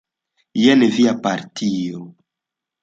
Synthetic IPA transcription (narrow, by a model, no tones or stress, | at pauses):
jɛneviapaɾtʰio